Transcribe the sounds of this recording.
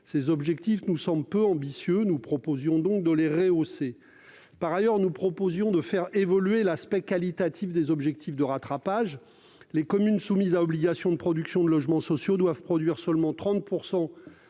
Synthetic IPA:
sezɔbʒɛk̚t̪ifnusɑ̃blpøɑ̃bisjønupχɔpozjɔ̃d̪ɔ̃k̚d̪əleʁeose | paʁajœʁnupχɔpozjɔ̃d̪əfɛʁevɔlɥelaspɛkʲalit̪at̪ʰifd̪ezɔbʒɛk̚t̪ʰifd̪əʁat̪χapaʒ | lekɔmynsumizaɔbliɡasjɔ̃d̪əpχɔd̪yksjɔ̃d̪əlɔʒmɑ̃sɔsjod̪wavpχɔd̪ɥiʁsœlmɑ̃t̪χɑ̃t̪̚puʁsɑ̃

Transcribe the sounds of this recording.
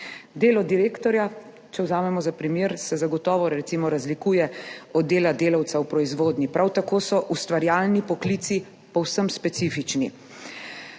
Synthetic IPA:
d̪eːlɔd̪iɾeːkt̪ɔɾja | t͡ʃɛwzaːmɛmɔzapɾimjeːɾsɛzaɡɔt̪ɔːʋɔɾɾɛt̪simɔɾazlikuːjɛɔd̪dːeːlad̪eːlawt̪sawpɾɔizʋoːd̪nipɾawt̪akoːsɔʔust̪ʋaɾjaːlnipɔklit̪si | pɔwsəmspɛt̪sifit͡ʃni

